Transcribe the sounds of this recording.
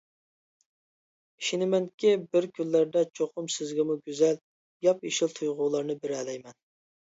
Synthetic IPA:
i̥ʃinɪmɛŋkʲɪbɪɾkʲʰylːæɾd̪ɛt͡ʃʰoqʰʊmsɪzɡʲɛmuɡʲyzɛl | jɑpiʃɪlˠt̪ʰujʁʊlˠɑɾnɨbɪɾælɛjmɛn

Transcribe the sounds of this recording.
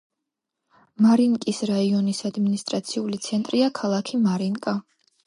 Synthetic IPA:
maɾiŋkʼisɾaiɔnisad̪minist̪ʼɾat̪sʰiulit̪sʰɛnt̪ʼɾiakʰalˠakʰimaɾiŋkʼa

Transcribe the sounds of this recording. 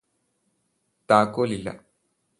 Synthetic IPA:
t̪aːkːoːlilːɐ̰

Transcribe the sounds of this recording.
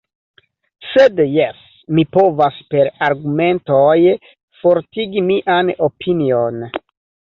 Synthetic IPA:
sed̪jes | mipovaspeɾaɾɡume̞ntoj | foɾt̪iɡimiʔanopʰinion

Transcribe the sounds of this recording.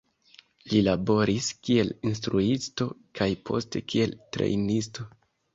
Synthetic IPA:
lilabo̞ɾiskie̞linstɾuisto̞kʰajpʰo̞̰ste̞kʰie̞ltɾḛjnisto̞

